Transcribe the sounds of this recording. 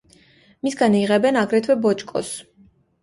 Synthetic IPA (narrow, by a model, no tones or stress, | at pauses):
misɡaniʁɛbɛnaɡɾɛt̪ʰwɛbɔt͡ʃʼkʼɔ̰s